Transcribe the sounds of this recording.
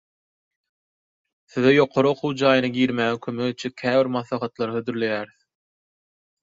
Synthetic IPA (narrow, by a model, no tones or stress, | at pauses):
θiðejo̞qʰo̞ɾɯo̞qʰuwd͡ʒɑːjɯnɑɡiːɾmæːŋekʲʰømøɣet͡ʃʰekʲʰæːβiɾmɑθlˠɑχɑt̪lˠɑɾɯhød̪yɾle̞jæːɾiθ